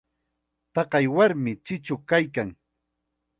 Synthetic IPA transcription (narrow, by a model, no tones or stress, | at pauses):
t̪ɑqɑjwaɾmɪt͡ʃɪt͡ʃʊkajkaŋ